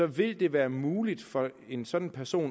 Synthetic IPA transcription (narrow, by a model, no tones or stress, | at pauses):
ɒ̽ʋe̝ld̥e̝ʋæːɐmuːlid̥fɒ̽e̝nsɒ̽d̥n̩pʰæɐso̝̰ːn